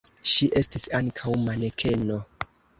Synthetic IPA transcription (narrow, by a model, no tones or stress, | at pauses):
ʃiʔe̞stisaŋkʰawmanekʰe̞no̞